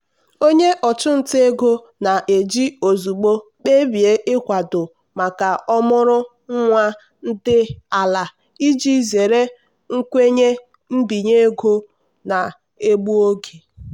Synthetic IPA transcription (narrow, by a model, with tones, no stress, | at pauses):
o˦ɲe˦ʔɔ˨t͡ʃʊ˦n̩˨te˦ɡo˦ | na˨ʔe˨d͡ʒi˦o˨zu˨ɡ͡bo˦k͡pe˦bi˨e˦ʔɪ˦kʷa˨dʊ˨ | ma˨ka˨ɔ˦mʊ˦ɾʊ˦ | ŋ̩˦ŋʷa˦ | n̩˦dɪ˦a˨la˨ | i˦d͡ʒi˦˨ze˨ɾe˦ | ŋ̩˦kʷe˦ɲe˦ | m̩˦bi˨ɲe˦ɡo˦ | na˨ | e˦ɡ͡bu˦o˦ɡe˨